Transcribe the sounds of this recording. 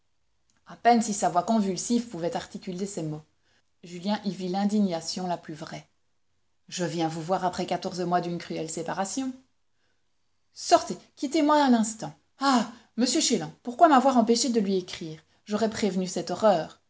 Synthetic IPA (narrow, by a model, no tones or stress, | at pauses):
apɛnsisavwakɔ̃vylsivpuvɛt̪aʁt̪ikʲylesɛmo | ʒyljɛ̃ʔivilɛ̃d̪iɲasjɔ̃laplyvʁɛ | ʒəvjɛ̃vuvwaʁapχɛkat̪ɔʁzəmwad̪ynkχyɛlsepaʁasjɔ̃ | sɔʁt̪ekʲit̪emwaɛ̃nɛ̃st̪ɑ̃ | aməsjøʃelɑ̃puʁkwamavwaʁɑ̃peʃed̪əlɥiekχiːʁ | ʒɔʁɛpχevnysɛt̪ɔʁœːʁ